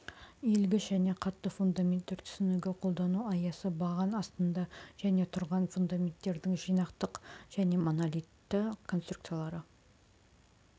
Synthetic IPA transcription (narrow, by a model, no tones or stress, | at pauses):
elɡʲɪsʒæne̞qʰɑt̪ːəfund̪amʲent̪ːeɾt̪ʰʏ̥sɪnuɡʲe̞qʰo̞lˠd̪ɑnuɑjɑsəbɑʁɑnɑst̪ənd̪ɑʒ̥æne̞t̪ʰʊɾʁɑnfund̪amʲe̞nt̪ːe̞ɾd̪ɪŋʒijnɑqt̪əqʒ̥æne̞monalʲijt̪ːɪkʰo̞nst̪ɾu̥kt̪sijalˠɑɾə